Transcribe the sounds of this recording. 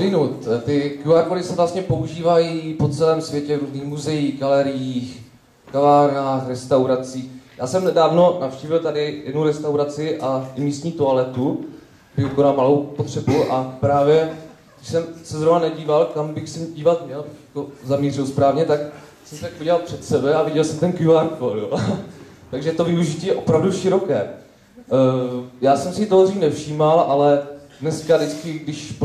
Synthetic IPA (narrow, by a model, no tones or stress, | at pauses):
ɪnut̪t̪ɪkjuaɾkoɾɪsɛvlast̪ɲɛpo̞uʒiːvajiːpo̞t͡sɛlɛːmsvjɛcɛvɾuːzniːxmuzɛjiːxɡalɛɾɪjiːx | kavaːɾnaːxɾɛst̪awɾat͡siːjaːsɛmnɛdaːvno̞nafʃciːvɪlt̪adɪjɛdnuɾɛst̪awɾat͡sɪʔaɪmiːst̪ɲiːt̪oalɛt̪u | bɪokonalmalowpot̪r̝̥ɛbuʔapɾaːvjɛ | ɡdɪʃsɛmsɛzɾovnanɛɟiːvalkambɪxsɛɟiːvat̪mɲɛlbjakozamɲiːrɪlspɾaːvɲɛt̪ak | sɛmsɛt̪akovɪɟɛlalpr̥ɛt̪sɛbɛavɪɟɛlsɛmt̪ɛnkjuaɾfoljo | t̪aɡʒɛt̪o̞vɪuʒɪtciːjɛʔo̞pɾavduʃɪɾo̞kɛː | jaːsɛmsɛt̪oɦriːnɛfʃiːmalʔalɛdnɛskadɪt͡skɪɡdɪʃ